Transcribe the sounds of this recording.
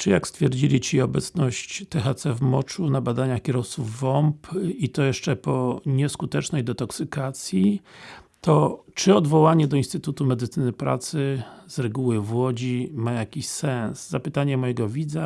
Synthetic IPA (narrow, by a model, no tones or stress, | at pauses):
t͡ʂɘjakst̪fʲjɛɾd͡ʑilʲit͡ɕiɔbɛt̪snɔɕt͡ɕt̪ɛxat̪sɛvmɔt͡ʂunabad̪aɲaxkʲɛɾɔft̪suvːɔmpit̪ɔjɛʂt͡ʂɛpɔɲɛskut̪ɛt͡ʂnɛjd̪ɛt̪ɔksɘkat̪sʲji | t̪ɔt͡ʂɘɔd̪vɔwaɲɛd̪ɔinst̪ɘt̪ut̪umɛd̪ɘt̪sɘnɘpɾa̰t̪sɘzɾɛɡuwɘvwɔd͡ʑimajakʲiɕsɛnszapɘt̪aɲɛmɔjɛɡɔvʲid̪za